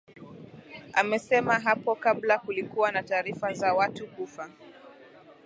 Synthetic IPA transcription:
amɛsɛmaɦapɔkablakulikuwanataːɾifazawatukufa

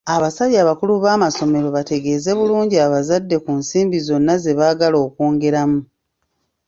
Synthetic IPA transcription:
aβasaβaːβakuluβaːmaso̞me̞ɾo̞βate̞ɡe̞ːze̞βuluːɲɟiaβazadːe̞kunsiːmbizo̞nːaze̞βaːɡalo̞ːkoːŋɡe̞ɾamu

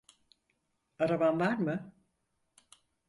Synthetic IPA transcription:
aɾabanvaɾmɯ

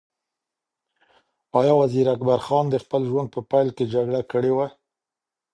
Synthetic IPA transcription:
ɑjɑwaziɾakbaɾxɑnd̪əxpəlʒwand̪̚pəpajlked͡ʒaɡɽakəɽewa

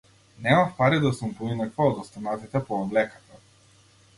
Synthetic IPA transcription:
nɛmafpaɾid̪asumpuinakvaːd̪ɔst̪anat̪it̪ɛpɔːblɛkḁt̪a

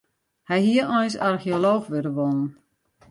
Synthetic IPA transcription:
hɛjhiərɔjnsarxioloːxʋøɾəʋonən̩

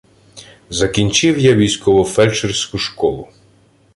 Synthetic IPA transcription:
zɐkʲinʲt͡ʃɪwjaʋʲijsʲkɔʋɔfɛlʲt͡ʃersʲkʊʃkɔlˠʊ

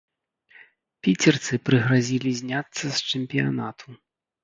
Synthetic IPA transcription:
pʲit͡sʲɛrt̪sɨpɾɨɣɾazʲilʲizʲnʲat̪sːɐst͡ʂɨmʲpʲija̰nat̪ʰu

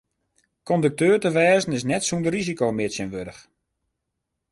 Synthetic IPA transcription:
kɔndək̚tøːrtəʋɛːzən̩ɪs̬nɛtsundərizikoːmɪsjənʋødəx

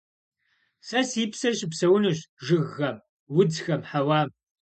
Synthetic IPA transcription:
sɐsiːpsɐɕɪpsɐwʊnɨɕʒɨɣːɐm | wʊd͡zxɐmħawaːm

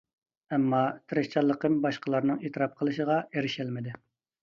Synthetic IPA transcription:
ɛmːɑt̪ʰɾɪʃt͡ʃʰɑlˠːəqʰəmbɑʃqəlˠɑɾnɨŋet̪ʰɨɾɑp̚qʰəlˠɨʃəʁɑeɾɪʃælmɪd̪ɪ

